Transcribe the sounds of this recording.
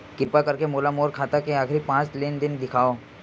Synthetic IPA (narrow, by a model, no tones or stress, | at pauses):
kɪɾpakɐɾkemoːlamoːɾkʰaːt̪akeaːkɾipãːt͡ʃleːnd̪ɪnd̪ɪkʰaːo